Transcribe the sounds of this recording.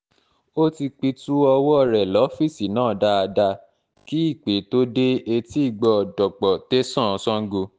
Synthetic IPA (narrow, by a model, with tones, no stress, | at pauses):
o˦ti˧k͡pi˧tu˦ɔ˧wɔ˦˨ɾɛ˨lɔ˨˦fi˦˨si˨nãː˦˨da˦a˧da˧ | ki˦i˦˨k͡pe˨˦to˦de˦e˧ti˦i˦˨ɡ͡bɔ˧˨dɔ˨k͡pɔ˨te˦sã˦ɔ̃˧sɔ̃˦ŋ̩˦ɡo˧